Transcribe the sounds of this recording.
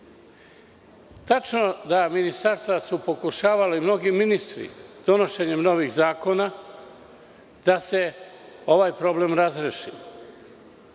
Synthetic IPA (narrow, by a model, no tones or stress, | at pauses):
t̪at͡ʃno̞d̪aminist̪aɾst̪ʋasupo̞kuʃaːʋalemno̞ɡiminist̪ɾḭd̪̥o̞no̞ʃe̞ɲemno̞ʋiɣzaːko̞na | d̪ase̞ | o̞ʋajpɾo̞ble̞mɾazɾeʃḭ